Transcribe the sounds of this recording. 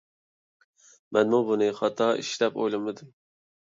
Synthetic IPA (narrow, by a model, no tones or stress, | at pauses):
mɛnmubunɨχɑt̪ʰɑḭʃlɛpo̰jlˠɨmɨd̪u